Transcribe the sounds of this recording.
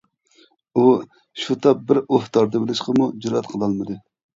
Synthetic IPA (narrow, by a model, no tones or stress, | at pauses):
u | ʃut̪ʰɑp̚bɪɾoht̪ɑɾd̪ɨbɪlɪʃqəmud͡ʒuɾɑt̪qʰəlˠɑlˠmɨd̪ɨ